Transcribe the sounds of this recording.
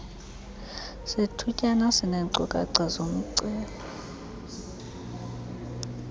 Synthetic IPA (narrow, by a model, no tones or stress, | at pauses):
setʰucʼanasɪnɛːǀɔ̰kʼa̰ǀazom̩ǀɛːlɔ